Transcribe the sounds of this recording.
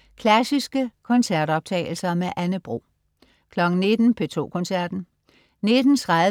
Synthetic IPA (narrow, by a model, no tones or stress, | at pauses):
kʰlæsisɡ̥əkʰɒ̽nsæɐ̰d̥ɒ̽b̥̚t͡sʰɛ̰ːɪl̩sɐmeʔænəb̥ʁo̝̰ː | kʰlɒ̽ɡ̥n̩ne̝d̥n̩pʰe̝t͡sʰo̝̰ːkʰɒ̽nsæɐ̰d̥n̩ | ne̝d̥n̩t͡sʰʁɑð